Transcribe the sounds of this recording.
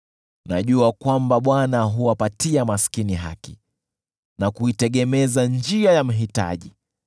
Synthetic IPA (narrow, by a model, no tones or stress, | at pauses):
na̰ʄuakwambaɓwanaɦuapatiamaskiniɦa̰ki | nakuitɛɠɛmɛzand͡ʒiajam̩ɦita̰ʄi